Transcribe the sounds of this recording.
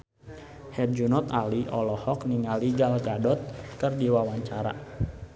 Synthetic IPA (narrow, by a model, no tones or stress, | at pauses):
hɛt̪̚d͡ʒunɔt̪aliʔɔlɔhɔkniŋaliɡalɡadɔt̪̚kɨrdiwawaɲt͡ʃaɾa̰